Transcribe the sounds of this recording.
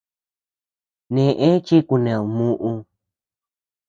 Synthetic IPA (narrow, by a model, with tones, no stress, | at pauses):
nẽ˨ʔẽ˦t͡ʃi˦ku˧nẽ˨u˨mũ˦ʔũ˧